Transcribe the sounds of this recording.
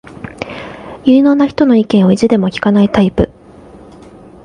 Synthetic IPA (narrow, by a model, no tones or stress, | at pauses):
jɯ̟ːno̞ːnaçi̥t̪o̞no̞ikẽ̞ɰ̃oiʑid̪e̞mo̞kʲi̥kanait̪aipɯ̟̰